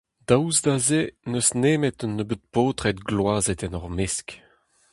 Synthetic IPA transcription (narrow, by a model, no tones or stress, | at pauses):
d̪̥awzd̪azenøsneːmet̪ɔnːəbøt̪̚poːt̪χɛt̪ɡlwaːzɛt̪ɛnɔʁmesk